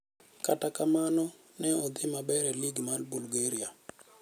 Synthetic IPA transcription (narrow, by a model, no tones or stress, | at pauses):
katakamanɔ | nɛɔd̪ɪmabɛɾɛliɡmalbulɡeɾia